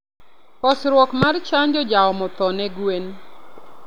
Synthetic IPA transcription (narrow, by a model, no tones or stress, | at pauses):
kɔsɾwɔkmart͡ʃaɲd͡ʒɔd͡ʒaɔmɔt̪ɔnɛɡwen